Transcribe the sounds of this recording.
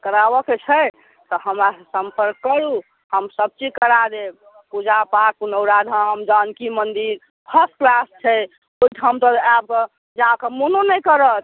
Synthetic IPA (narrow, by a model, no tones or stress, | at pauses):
kəɾabɔket͡ʃʰə | t̪ɔɦəmɾassəmpəɾkːəɾu | həmsəb̚t͡ʃikəɾad̪eb | pud͡ʒapak̚ːunəwɾad̪ʱəmd͡ʒankimənd̪iɾ | pʰəs̚klast͡ʃʰɛ | oid̪ʱɦəmt̪ɔab̚kɔ | d͡ʒakemononəjkəɾət̪̚